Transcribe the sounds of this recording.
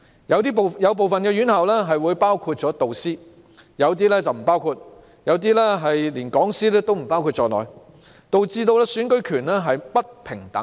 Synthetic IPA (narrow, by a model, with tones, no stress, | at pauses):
jɐ˨˧wt̪iː˥pjɐ˨˧wp̬o˨wfɐ˨nkɛː˧jyː˨˥nhɐ˨wlɛː˥ɦɐ˨jwuː˨˧jpaː˥wkʰuː˧t̚t͡sɔː˨˥t̪o˨wsiː˥ | jɐ˨˧wt̪iː˥lɛː˥t͡sɐ˨wm̩˨˩paː˥wkʰu˧t̚ | jɐ˨˧wt̪̬iː˥lɛː˥ɦɐ˨jliː˨˩nkɔː˨˥ŋsiː˥lɛː˥t̪o˥wm̩˨˩paː˥wkʰuː˧t̚t͡ʃɔː˨˧lɔ̰ː˨j | t̪o˨wt͡siː˧t̪o˧wlɛː˥syː˨˥nkɵ˨˧˥ɥkʰyː˨˩nlɛː˥ɦɐ˨jpɐ˥t̚pʰɪ˨˩ŋt̪ɐ̰˨˥ŋ